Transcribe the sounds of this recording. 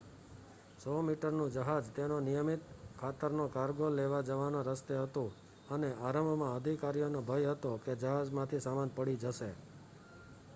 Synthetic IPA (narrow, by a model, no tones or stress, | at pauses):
sɔmiʈəɾnũd͡ʒəɦad͡ʒt̪enonijəmit̪kʰat̪əɾnokaɾɡoleʋad͡ʒəʋanõɾəst̪eɦət̪õ | əneʔaɾəmbʱmãəd̪ʱikaɾijonobʱəjɦət̪oked͡ʒəɦad͡ʒmãt̪ʰisamanpəɽid͡ʒəʃe